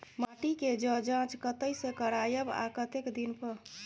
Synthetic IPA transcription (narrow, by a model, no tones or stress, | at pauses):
maʈiked͡ʒəd͡ʒãt͡ʃkət̪əjsẽkəɾajəba̰kət̪ekd̪inpəɾ